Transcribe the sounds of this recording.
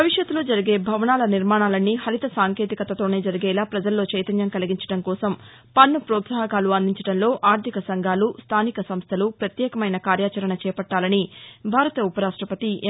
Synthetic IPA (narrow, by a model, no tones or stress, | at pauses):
ɐʋiʂjɐt̪ːulo̞ːd͡ʒɐɾiɡe̞ːbʱɐʋɐnaːlɐniɾmaːɳaːlɐnːihɐɾit̪ɐsaːŋke̞ːt̪ikɐt̪ːɐt̪o̞ːne̞ːd͡ʒɐɾiɡɛːlaːpɾɐd͡ʒɐlːo̞ːt͡ʃɐjt̪ɐnjɐmkɐliɡiɲt͡ʃɐ̥ɽɐŋkɔːsɐm | pɐnːupɾɔːt̪saːɐɡaːluɐnd̪iɲt͡ʃɐʈɐnlo̞ːʔaːɾt̪ʰikɐsɐŋɡʱaːlust̪ʰaːnikɐsɐmst̪ʰɐlupɾɐt̪jɛːkɐmɐjnɐkaːɾjaːt͡ʃɐɾɐɳɐt͡ʃɛːpɐʈːaːlɐnibʱaːɾɐt̪ɐupɐɾaːʂʈɾɐpɐt̪i